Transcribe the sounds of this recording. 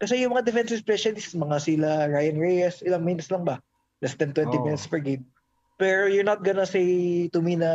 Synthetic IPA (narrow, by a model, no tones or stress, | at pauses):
kɐsɛjʊŋmɐŋad̪ɛfɛnsɪspɹɛʃɐnsmɐŋasɪlaɹajɐnɹejɛsʔɪlɐŋmɪnt̪slɐŋbɐ | lɐst̪ɛnt̪wɛnt̪ɪmɪnɪt̪spɛɹɡem | pɛɹojʊɹnɐt̪̚ɡɐnɐsejt̪ʊminɐ